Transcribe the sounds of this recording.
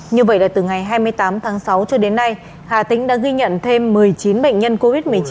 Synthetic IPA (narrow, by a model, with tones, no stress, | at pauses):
ɲɨ˧və̰˧˨jlaː˨˩t̪ɨ˨˩ŋa˨˩jɦaː˧jmɨ˧əjt̪aː˨˦mt̪ʰaː˨˦ŋsa˨˦wt͡ɕɔ˧ɗe˨˦nːa˧j | haː˨˩t̪ï˧˥ŋ̟ɗa̰ː˧˥ɣi˧ɲə̰˧˨nt̪ʰe˧mːɨ˨˩əjt͡ɕi˨˦nɓə̰˧˨ŋ̟ɲə˧nko˧vi˦˥t̚mɨ˨˩əjt͡ɕi˨˦